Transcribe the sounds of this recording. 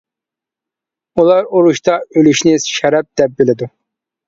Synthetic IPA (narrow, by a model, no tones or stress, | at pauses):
ulˠɑɾoɾuʃt̪ɑølyʃnɪʃɛɾɛp̚d̪ɛp̚bɪlɪd̪u